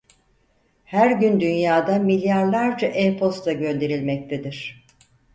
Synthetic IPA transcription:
hæɾɟynd̪ynjaːd̪amilʲjaɾlˠaɾd͡ʒaʔepʰo̞st̪aɟø̞nd̪e̞ɾilʲmɛc̚t̪ʰed̪iɾ̥

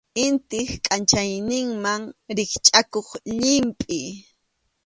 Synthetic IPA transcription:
ɪnt̪ɪχkʼant͡ʃajnɪŋmaŋɾɪχt͡ʃʼakoχʎɪmpʼɪ

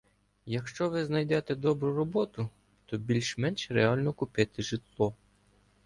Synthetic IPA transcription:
jɐkʃt͡ʃɔʋɪznɐjd̪ɛt̪ɛd̪ɔbɾʊrɔbɔt̪ʊ | t̪ɔbʲilʲʃmɛnʃrealʲnɔkʊpɪt̪ɪʒɪt̪lˠɔ

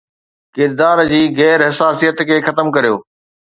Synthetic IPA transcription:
kɪɾd̪aːɾd͡ʑiːɣɛːɾɦɪsaːsijət̪kʰeːxɐt̪əmkɐɾijoː

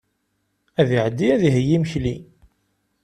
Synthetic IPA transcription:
æðiʕəd̪ːiæðiɦəjːiməçli

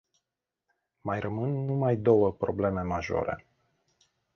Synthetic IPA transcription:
majrʔəmɨnːumajd̪o̞wəpɾo̞ble̞me̞maʒo̞̰ɾe̞̰

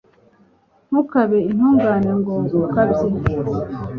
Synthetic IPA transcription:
mukaβein̥huːŋɡaːneŋɡoukabje

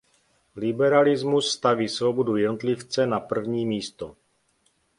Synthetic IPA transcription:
lɪbɛɾalɪzmusːt̪aviːsvobodujɛdnot̪lɪft͡sɛnapr̩vɲiːmiːst̪o

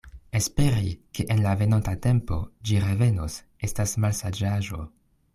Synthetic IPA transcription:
e̞spe̞ɾikeʔenlave̞nontate̞mpo̞̰d͡ʒiɾeve̞nos | e̞stasmalsad͡ʒaʒo̞

